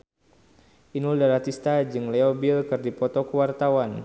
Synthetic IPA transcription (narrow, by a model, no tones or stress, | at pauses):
ʔinuldaɾat̪ist̪ad͡ʒɨŋlɛobilkɨrdipɔt̪ɔkuwart̪awan